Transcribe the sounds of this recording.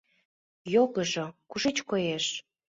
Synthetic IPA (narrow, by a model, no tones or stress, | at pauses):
joɣəʒokuʒet͡ɕkojeʃ